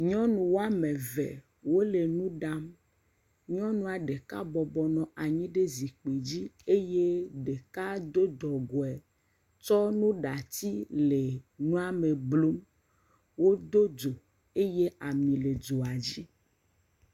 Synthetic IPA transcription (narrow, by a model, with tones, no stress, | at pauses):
ɲɔ̃˦nũ˨wo˦a˦mẽ˨vɛ̰˨ | wo˦le˨nũ˦ɖa˦m | ɲɔ̃˦nũ˦a˨ɖe˨ka̰˦bɔ˨bɔ˨nɔ̃˨ʔa˨ɲĩ˦ɖe˦zi˨k͡pe˨d͡ʑi˦e˦je˦ɖe˨ka˦d̪o˦d̪ɔ˨ɡo˨ɛ˨ | t͡ʃɔ˦nũ˦ɖa˨t̪i˦le˨nũ˦a˦me˨blo˦m | wo˦d̪o˦do˨ | e˦je˦a˨mĩ˨le˨d͡ʒo˨a˨d͡ʑi˦